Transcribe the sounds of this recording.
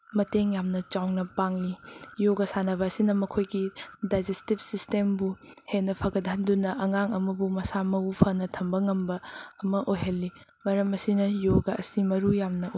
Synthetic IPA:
mɐteŋjamnɐt͡ʃawnɐpaŋlijoɡɐsanɐbɐːsinɐmɐkʰojɡidajd͡ʒestib̚sistembuhenɐpʰɐɡɐdɦɐndunɐʔɐŋaŋɐmɐbumɐsamɐupʰɐnɐtʰɐmbɐŋɐmbɐːmɐʔojɦɐlːi | mɐɾɐmɐsinɐjoɡɐɐsimɐɾujamnɐ

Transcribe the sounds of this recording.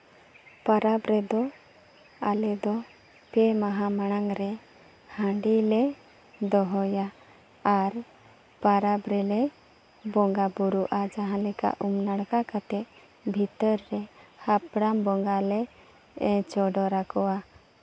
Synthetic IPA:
paɾabɾɛd̪ɔ | alɛd̪ɔ | pɛmaɦamaɽ̃aŋɾɛ | hãɖilɛ | d̪ɔɦɔjaː | ɾ | paɾabɾɛlɛ | bɔŋɡabuɾuʔad͡ʒaɦãlɛka̰ʔumnaɽkakat̪ɛʔ | bʱit̪ɔɾːɛhapɽambɔŋɡalɛ | t͡ʃɔɖɔɾakɔwa

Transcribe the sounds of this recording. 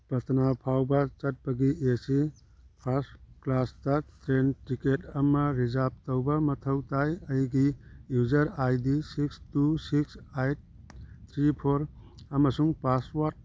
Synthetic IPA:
pɐtʰnapʰawbɐt͡ʃɐt̚pɐɡiesi | pʰasklastɐtɾentiketʰɐmɐɾid͡ʒap̚təwbɐmɐtʰɐwtajɐjɡijud͡ʒɐɾajdisikstusiksajt̚ | t̪ʰɾipʰoɾɐmɐsuŋpaswat̚

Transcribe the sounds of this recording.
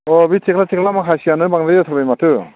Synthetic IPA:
ɔbitʰikʰlatʰikʰlamakʰajsianɯjbaŋdajatʰɔɾbajmatʰɯ

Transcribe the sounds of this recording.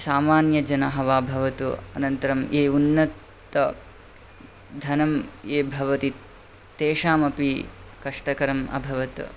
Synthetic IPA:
saːmaːnjɐd͡ʒɐnɐɦɐʋaːbʱɐʋɐt̪uɐ̰nɐnt̪ɐɾɐmʔeːunːɐt̪ː | ɐ | d̪ʱɐnɐmeːbʱɐʋɐt̪it̪ː | eːʂaːmɐpikɐʂʈɐkɐɾɐmɐ̰bʱɐʋɐt̪

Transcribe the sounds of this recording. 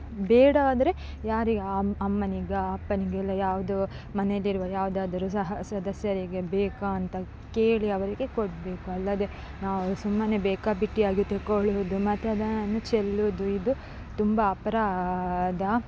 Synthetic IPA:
bɛːɽaːd̪ɐɾe̞ | jaːɾiɡɐmːɐniɡeɐpːɐniɡeɛlːɐjaːʋud̪u | mɐnelːiɾʋɐjaːʋud̪aːd̪ɐɾusɐɦɐsɐd̪ɐsjɐɾiɡe̞beːkaːnt̪ɐ | keːɭiɐʋɐɾiɡe̞koɽbe̞ːkuɐlːɐd̪e̞ | naːʋusumːɐnebɛːkaːbiʈːiaːɡit̪ekoɭud̪umɐt̪ɐd̪anɐnːut͡ʃelːud̪uid̪u | t̪umbɐːpɐɾaːd̪ɐ

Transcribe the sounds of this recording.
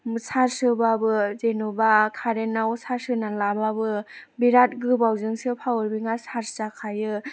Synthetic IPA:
mɯsaɾsɯbabɯzenubakʰaɾenaɔsaɾsɯnalababɯbiɾat̚ɡɯbawzɯŋsɯpʰawɯɾbiŋasaɾsakʰajɯ

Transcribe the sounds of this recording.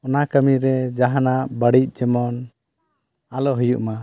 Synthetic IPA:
ɔnakəmiɾɛd͡ʒaɦanaʔbəɽitc̪̚ˀd͡ʒɔmɔn | alɔɦujuʔma

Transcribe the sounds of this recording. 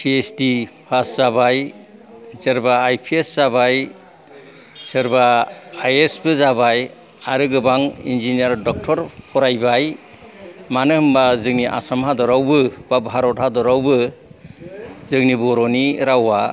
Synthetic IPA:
pʰiesdipʰaszabaj | zɯɾbaːjpʰiesz̥abaj | sɯɾbaːjesbɯzabaj | aɾɯɡɯbaŋḭnd͡ʒiniaɾdɔk̚tʰɔɾpʰɔɾajbaj | manɯhɯmbazɯŋniʔa̰samɦadɔɾawbɯbabaɦaɾɔt̚hadɔɾawbɯ | zɯŋnibɔɾɔniɾawa

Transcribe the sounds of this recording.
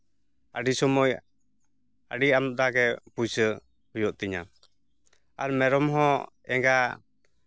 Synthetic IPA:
a̰ɖisɔmɔj | aɖiamd̪aɡɛpusə | hujɔʔt̪iɲa̰ | aɾmɛɾɔmɦɔ̃ | ɛŋɡa

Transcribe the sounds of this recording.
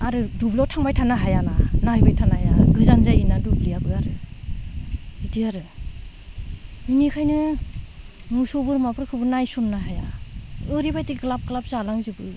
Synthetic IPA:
aɾɯdublɔtʰaŋbajtʰanaɦajananajbajtʰanajaɡɯzanzajinadublijabɯaɾɯ | idiaɾɯ | minikʰajnɯ | musɔbɯɾmapʰɯɾkʰɯbɯnajsɔnːaɦajaɯɾibajtiɡɯlap̚kɯlap̚zalaŋzɯbɯ

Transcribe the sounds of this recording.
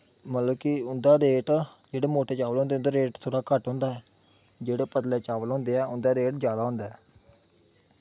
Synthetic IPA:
mət̪ləbkɪʊnd̪aːɾeːʈd͡ʒeːɽeːmoːʈeːt͡ʃaːʋəlõːnd̪eːʊnd̪aːɾeːʈt̪ʰoːɽaːkəʈɦõːnd̪aːɛː | d͡ʒeːɽeːpəd̪leːt͡ʃaːʋəlɦõːnd̪eːɛːʊnd̪aːɾeːʈzjaːd̪aːɦõːnd̪aːɛː

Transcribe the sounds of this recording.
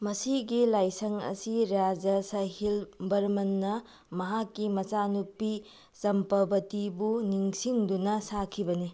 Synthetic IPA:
mɐsiɡilajsɐŋɐ̰siɾad͡ʒɐsɐhilbɐɾmɐnːɐ | mɐɦakːimɐt͡ʃanupːi | zɐmpɐbɐtibuniŋsiŋdunɐsakʰibɐni

